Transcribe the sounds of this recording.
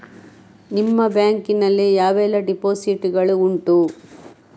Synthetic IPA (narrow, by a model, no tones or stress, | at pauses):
nimːɐbjaːŋkinɐlːijaːʋɛːlɐɖipoːsiʈuɡɐɭuuɳʈu